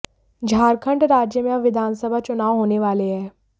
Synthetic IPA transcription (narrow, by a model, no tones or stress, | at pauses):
d͡ʒʱaːɾkʰə̃ɳɖɾaːd͡ʒjəmaʋɪd̪ʱaːnsəbʱat͡ʃʊnaːʋɦoːneʋaːleɦɛː